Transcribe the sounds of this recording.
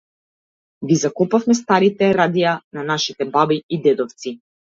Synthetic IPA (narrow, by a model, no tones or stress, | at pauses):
ɡizakɔpafmɛst̪aɾit̪ɛɾad̪ijananaʃit̪ɛbabiid̪ɛd̪ɔft̪si